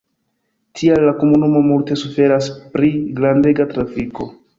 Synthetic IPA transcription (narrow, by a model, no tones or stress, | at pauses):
tʰialːakomunumo̞multe̞sufe̞ɾaspɾiɡɾande̞ɡatɾafiko̞